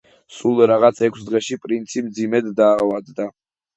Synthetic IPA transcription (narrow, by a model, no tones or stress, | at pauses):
sulˠɾaʁat̪sʰɛkʷʰsd̪ʁɛʃipʼɾint̪sʰimd̪zimɛd̪ːaːvad̪d̪a